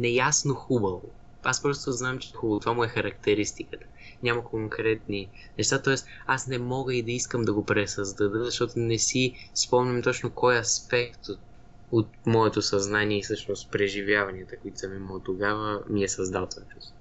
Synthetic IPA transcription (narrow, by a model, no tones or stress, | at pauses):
nɛjasnoxubəvo̰ | aspɾɔst̪oznamt͡ʃɛxubɐot̪ovamʊɛxɐɾɐk̚t̪ɛɾist̪ikət̪ə̥ | nʲamɐkoŋkɾɛt̪ni | nɛʃt̪at̪ɔɛst̪ | asnɛmɔɡəid̪ɐiskəmd̪ɐɡopɾɛsəzd̪ɐd̪əzɐʃt̪ɔt̪onɛsi | spɔmnʲɐmt̪ɔt͡ʃnokɔjɐspɛkt̪o | ot̪̚mɔɛt̪osɐznaniɛisɤʃnost̪pɾɛʒivʲjavɐniət̪əkoit̪o̥sɐmimot̪oɡavəmiɛsɐzd̪alˠt̪vat͡ʃɛ̥s